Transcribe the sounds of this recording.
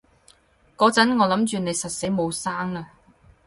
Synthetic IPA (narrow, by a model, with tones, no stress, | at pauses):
kɔː˧˥t͡sɐ˨˥nŋɔː˨˧lɐ˨˥mt͡ʃyː˨ne˨˧jsɐ˨t̚se˨˥jmo˨˧wsaː˥ŋlɐ˧